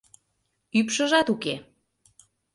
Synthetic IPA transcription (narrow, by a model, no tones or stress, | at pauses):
ypʃə̆ʒɑt̪uke